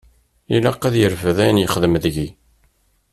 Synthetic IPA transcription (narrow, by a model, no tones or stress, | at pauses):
ilæqːæðjəɾvəðæjənjəχðəmðʝi